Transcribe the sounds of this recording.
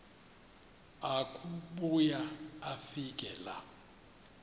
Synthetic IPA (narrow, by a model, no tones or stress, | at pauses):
akʼuɓujaafikʼɛla̰